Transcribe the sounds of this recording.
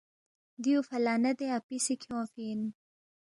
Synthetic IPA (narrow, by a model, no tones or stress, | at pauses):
d̪iufɐlaːnɐd̪eapisikʰjõːfiːn